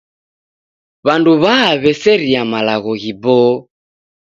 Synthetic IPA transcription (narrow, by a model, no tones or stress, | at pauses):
βanduβaːβɛsɛɾiamalaɣɔɣibɔ